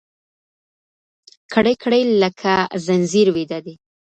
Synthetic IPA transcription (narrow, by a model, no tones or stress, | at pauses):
kʰɽəjkʰɽəjləkʰazanziɾwed̪ad̪e